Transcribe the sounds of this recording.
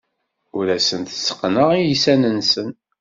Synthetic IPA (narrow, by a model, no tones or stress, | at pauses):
ʊɾæsənt̪sːə̥qːnəʁijisænənsən